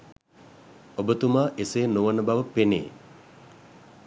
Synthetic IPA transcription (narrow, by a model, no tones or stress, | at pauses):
obət̪umaːʔeseːnoʋənəbaʋəpenḛː